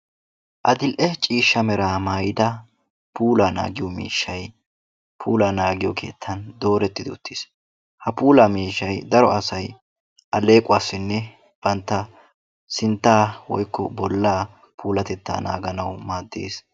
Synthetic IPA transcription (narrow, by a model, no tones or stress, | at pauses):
ʔɐd̪ɪlʔɛt͡ʃʼiːʃːɐmɛɾaːmaːjɪd̪ɐ | pʰuːlaːna̰ːɡɪjɔmḭːʃːɐj | pʰuːlaːnaːɡɪjɔkʰe̞̰ːt̪ʰːɐnd̪o̞ːɾɛt̪ːɪd̪ɔʊt̪ʰːeːs | hɐpuːlamiːʃːɐjd̪ɐɾɔɐsɐj | ʔɐle̞ːkʼʊaːsːɪnːɛ | b̥ɐnt̪ːɐ | sɪnt̪ːaːwɔ̰jkːɔbɔlːaː | pʰuːlɐt̪ɛt̪ːa̰ːna̰ːɡɐnɐwmaːd̪ːḛːs